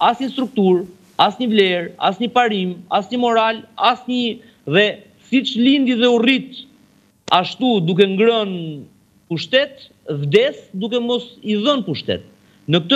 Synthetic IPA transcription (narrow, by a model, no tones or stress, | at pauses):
asɲəst̪ɾuk̚t̪uɾ | asɲəvlɛɾa̰sɲəpaɾima̰sɲəmɔɾalasɲə | ðɛ | sit͡ʃlind̪iðɛurit̪ | aʃt̪ud̪uk̬ɛŋɡɾɔn | puʃt̪ɛt̪ | vd̪ɛsd̪uk̬ɛmɔsiðənpuʃt̪ɛ̰t̪̚ | nəkət̪ə